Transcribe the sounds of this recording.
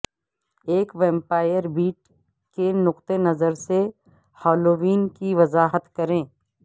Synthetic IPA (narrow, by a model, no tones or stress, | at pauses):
eːkʋɛ̃ːmpaːɪjəɾbiːʈ | kenʊqt̪enɐzəɾse | hɔːloːʋiːnkiʋɐzaːɦət̪kɐɾẽː